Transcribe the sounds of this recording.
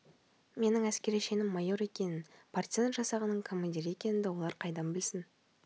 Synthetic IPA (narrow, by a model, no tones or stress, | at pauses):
me̞nɪŋæskʲe̞ɾijʃe̞nɪmːɑjo̞ɾe̞kʲe̞nɪnpʰart̪sent̪ʒɑsɑʁənːəɴkʰomond̪ʲiɾe̞kʲe̞nɪnd̪ewo̞lˠɑɾqʰɑjd̪ɑmbɪlsɪn